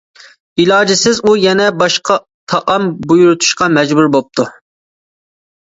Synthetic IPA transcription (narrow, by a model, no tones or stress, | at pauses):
ilˠɑːd͡ʒɪsɪzujɛnɛbɑʃqʰɑ | t̪ʰɑʔɑmbujuɾut̪ʰu̥ʃqɑmɛd͡ʒbuɾbop̚t̪ʰu